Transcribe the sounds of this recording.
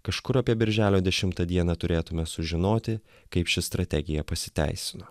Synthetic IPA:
kɐʃkʊɾɐpʲiɛbʲɪɾʲʒʲæːlʲoːd̪ʲɛʃʲɪmt̪ɐd̪ʲiɛnɐt̪ʊɾʲeːt̪ʊmʲɛsʊʒʲɪnoːt̪ʲɪ | kɐɪpʃʲɪst̪ɾɐt̪ʲɛɡʲɪjɛpɐsʲɪ̥t̪ʲæ̰ɪsʲɪnoː

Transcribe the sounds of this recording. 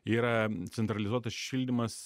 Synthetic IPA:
iːɾɐt̪sʲɛnt̪ɾɐlʲɪzuɔt̪ɐsʃʲilʲd̪ʲɪmɐs

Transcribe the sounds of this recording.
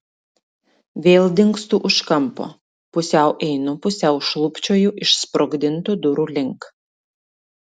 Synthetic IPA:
ʋʲeːlˠd̪ʲɪŋkst̪uːʔʊʃkɐmpo̰ː | pʊsʲɛˑʊʔɛɪnʊpʊsʲɛˑʊʃlˠʊpʲt͡ʃʲoːjuʔɪʃspɾɔɡd̪ʲɪnt̪uːd̪ʊɾuːlʲɪŋk

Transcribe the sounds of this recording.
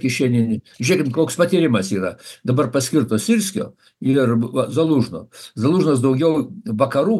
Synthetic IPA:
kʲɪʃʲɛnʲɪnʲʒʊnʲeɛkʲɪmkoːkspɐt̪ʲiːɾʲɪmɐsiːɾɐd̪ɐbɐrpɐsʲkʲɪɾt̪oːsʲɪɾʲsʲkʲo̰ː | ɪrɐzɐlˠuːʒno̰ːzɐlˠuːʒnɐs̬d̪ɐʊɡʲɛʊʋɐkɐɾuː

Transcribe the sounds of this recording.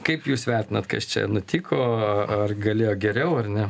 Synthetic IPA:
kɐɪpjuːsʋʲɛrʲt̪ʲɪnɐt̪kɐst͡ʃʲɛ̰nʊt̪ʲiːkʰoːɐrɡɐlʲeːjoːɡʲɛɾʲɛʊɐrnʲɛ

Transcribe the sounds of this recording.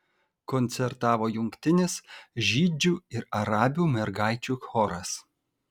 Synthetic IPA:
kɔnʲt̪sʲɛɾt̪ɑːʋoːjʊŋʲkt̪ʲɪnʲɪsʒʲiːd͡ʒʲuːɪɾɐɾɑːbʲuːmʲɛɾɡɑˑɪt͡ʃʲuːxɔɾɐs

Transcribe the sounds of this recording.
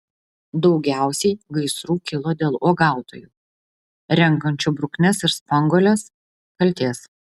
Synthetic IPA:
d̪ɒʊɡʲæˑʊsʲɛɪɡɐɪsɾuːkʲɪlˠoːd̪ʲeːlˠoːɡɑˑʊt̪o̰ːjuː | ɾʲɛŋkɐnʲt͡ʃʲʊbɾʊknʲɛsɪɾspɐŋɡoːlʲɛs | kɐlʲt̪ʲeːs

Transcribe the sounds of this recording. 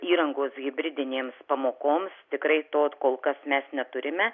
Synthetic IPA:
iːɾɐŋɡoːsɡʲɪbʲɾʲɪd̪ʲɪnʲeːmspɐmoːkoːmst̪ʲɪkɾɐɪt̪oːkoːlˠkɐsmʲɛsnʲɛt̪ʊɾʲɪmʲɛ

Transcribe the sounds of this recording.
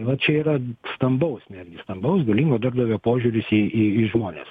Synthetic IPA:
ʋɐt͡ʃʲɛiːrɐst̪ɐmbɐʊsnʲæd̪ʲɡʲɪst̪ɐmbɐʊsɡɐlʲiŋɡoːd̪ɐrbd̪ɐʋʲoːpoːʒʲuːɾʲʊsiːiːiʒmoːnʲḛːs

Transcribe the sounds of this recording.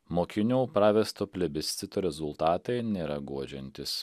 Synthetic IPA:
moːkʲɪnʲuʊpɾɑːʋʲɛst̪oːpʲlʲɛbʲɪsʲt̪sʲɪt̪oːɾʲɛzʊlˠt̪ɑːt̪ɐɪnʲeːɾɐɡuɔd͡ʒʲɛnʲt̪ʲɪs

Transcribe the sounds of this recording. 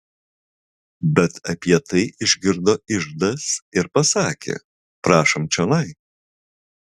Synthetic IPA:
bʲɛt̪ɐpʲiɛt̪ɐɪʔɪʒʲɡʲɪɾd̪oːɪʒd̪ɐsɪɾpɐsɑːkʲḛː | pɾɑːʃomt͡ʃʲɛnɐɪ

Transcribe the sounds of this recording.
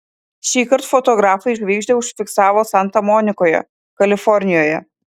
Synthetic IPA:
ʃʲiːkɐɾt̪fɔt̪ɔɡɾɑːfɐɪɪʒʲɡʋʲiːɡʒʲd̪ʲɛʊʃʲfʲɪksɑːʋoːsɐnt̪ɐmɔːnʲɪkoːjɛ̰ | kɐlʲɪfɔɾʲnʲɪjoːjɛ̰

